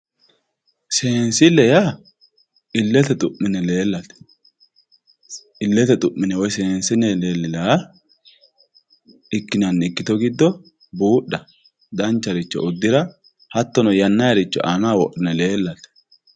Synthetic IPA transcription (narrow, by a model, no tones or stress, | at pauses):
seːnsɪlɛja | ɪlːɛt̪ɛt̪ʼʊʔːɪnɛle̞ːlːɐt̪ɛ̥ | ʔɪlːɛt̪ɛt̪ʼʊʔːɪnɛwɔjseːnsɪnɛleːlːɪlaː | ɪkːɪnɐnːɪkːɪt̪ɔɡɪd̪ːɔ | buːɗːɐ | d̪ɐnt͡ʃːɐɾɪt͡ʃːɔ̰ʊd̪ːɪɾɐ | hɐt̪ːɔnɔjɐnːɐjɐɾɪt͡ʃːɔ̰ʔamaːwɔʔɪnɛle̞ːlːɐt̪ɛ̥